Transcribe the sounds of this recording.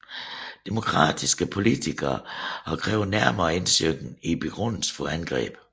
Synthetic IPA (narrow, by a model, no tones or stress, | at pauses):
d̥e̝mo̝kʰʁɑ̰̈ːd̥isɡ̥əpʰo̝lit͡sʰiɡ̥ɐɒkʰʁɛːʊnæɐmɐːe̝nsøɡn̩ib̥e̝ɡ̥ʁɔ̽n̰l̩sfɒænɡ̥ʁɛ̰ːb̥